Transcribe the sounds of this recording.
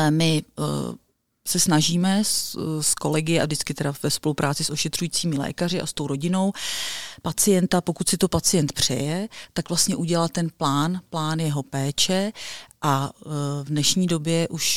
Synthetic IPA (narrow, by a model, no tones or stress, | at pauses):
ɛmɪ | sɛsnaʒiːmɛssko̞lɛɡɪɛʔa̰vdɪt͡skɪt̪ɛdavɛspo̞lupɾaːt͡sɪsʔoʃɛt̪r̥ujiːt͡siːmɪlɛ̰ːkar̝ɪʔa̰st̪o̞wɾo̞ɟɪno̞wpat͡sɪjɛnt̪apo̞kut̪sɪt̪o̞pat͡sɪjɛnt̪pr̝̥ɛ̰jɛt̪akvlast̪ɲɛʔuɟɛlat̪ːɛnplaːnplaːnjɛɦo̞pɛːt͡ʃɛʔa | vdnɛʃɲiːdo̞bjɛʔuʃ